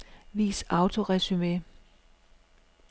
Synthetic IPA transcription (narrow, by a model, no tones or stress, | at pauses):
ʋḭːsɑ̈ʊt͡sʰo̝ʁɛsyme